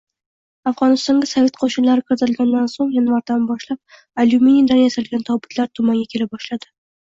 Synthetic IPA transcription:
afʁɒnɪst̪ɒŋɡʲasave̞t̪qʰoʃɪnlaɾɪkʰʲɾt̪ɪɾɪlɡʲand̪ansoŋjanvaɾd̪anbɒʃlap̚ | alumenid̪anjasalɡʲant̪ʰɒbɪt̪ʰlaɾt̪ʰʊmaŋɡʲakʲʰe̞lɪbɒʃlad̪ɪ

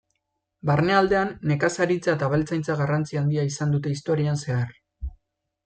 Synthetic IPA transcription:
barneald̪eanːe̞kasaɾit͡saet̪aβelt͡sajnt͡saɣarant͡siand̪iaisand̪ut̪e̞ist̪o̞ɾianse̞ar

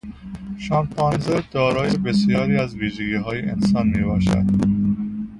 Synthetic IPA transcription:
ʃɒːmpʰɒːnzeɾd̪̥ɒːɾɒːjebesijɒːɾiːæzviːʒeɡiːɦɒːjeʔḛnsɒːnmiːbɒːʃæ̰d̪̥

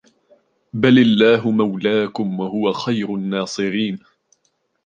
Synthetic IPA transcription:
balɪlːaːɦʊmawlaːkʊmwahʊwaxajɾʊnːɑːsˤɨɾiːn

